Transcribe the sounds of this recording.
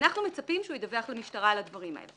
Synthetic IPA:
naχnume̞t͡sapimʃeujed̪aveaχlemiʃtaʁalad̪vaʁima̰ḛl

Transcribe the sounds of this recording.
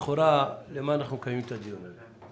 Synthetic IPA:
χoɾalemanaχukajumt̪ad̪ional

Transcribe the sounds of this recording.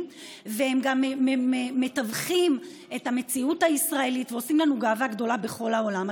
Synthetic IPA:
vehe̞mɡameeme̞tavχim | e̞thame̞t͡siuthaisʁae̞litveo̞simlanuɡavaɡdo̞labe̞χo̞laolam

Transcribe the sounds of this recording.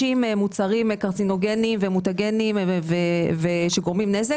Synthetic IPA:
imemut͡saʁimekaʁt͡sino̞ɡenimvemutaɡe̞nimveveʃeɡo̞ʁmimneze

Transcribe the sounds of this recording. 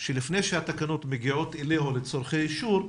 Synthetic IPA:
ʃelifnejʃehatakano̞tmeɡiʕot̪ileɦolet͡soɾχejiʃuɾ

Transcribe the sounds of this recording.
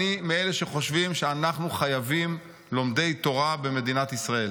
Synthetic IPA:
imieleʃe̞χo̞ʃvimʃeanaχnuχajavim | lo̞mde̞jt̪o̞ʁabe̞me̞d̪inat̪isʁae̞l

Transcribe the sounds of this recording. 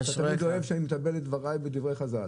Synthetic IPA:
t̪atamidoevʃeanimet̪abelet̪dvaʁajbed̪ivʁejχazal

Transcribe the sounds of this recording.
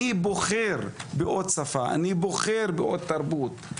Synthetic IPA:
iboχeɾbeʔod̪̚safaʔa̰niboχeɾbeʔod̪̚t̪ːaɾbut̪

